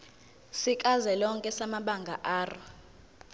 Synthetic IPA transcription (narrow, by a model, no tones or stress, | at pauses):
sikʼazɛlɔŋkʼɛsamaɓaŋɡʱaʔaːrɔ